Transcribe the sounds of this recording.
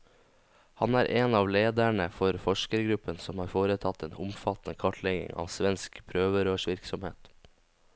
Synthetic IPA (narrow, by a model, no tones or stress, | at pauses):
hɑnæːɾʔeːnɑːʋleːd̪æɳəfɔɾfɔʂkəɾɡɾʉpənsɔmhɑːɾfoːɾət̪ʰɑt̪ːeːnʊmfɑt̪nəkʰɑʈʰlɛɡɪ̰ŋɑ̰ːʋsʋɛnskpʰɾøːʋəɾoːʂʋɪɾksɔmhḛːt̪